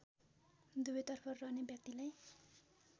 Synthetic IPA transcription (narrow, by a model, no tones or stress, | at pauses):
d̪ubʌjt̪ʌrpʰʌrrʌɦnebjʌk̚t̪ilaj